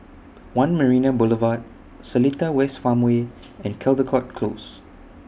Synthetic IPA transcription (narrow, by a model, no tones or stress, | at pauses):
wãnməɹĩnabʊləvat̚ | səlitəwɛstfãmwe | ɛ̃nkʰɛldəkʰɔt̚kʰlos